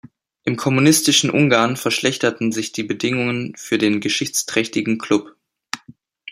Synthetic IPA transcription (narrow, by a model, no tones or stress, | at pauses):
ʔɪmkʰɔmunɪstɪʃn̩ʔʊ̰ŋɡaːɐnfɛɐʃlɛçtɐtn̩zɪçd̥iːbədɪŋʊŋənfyːɐdeːnɡəʃɪçt͡stʁ̥ɛçtɪɡŋ̩kʰl̥ʊp